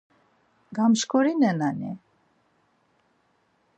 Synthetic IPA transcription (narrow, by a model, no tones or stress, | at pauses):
ɡamʃkʰɔɾinɛnanḭ